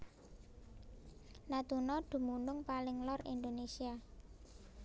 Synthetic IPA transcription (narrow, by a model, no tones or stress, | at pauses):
nat̪unɔɖ̪̥ṳmunʊŋpalɪŋlɔrḭnd̪onesia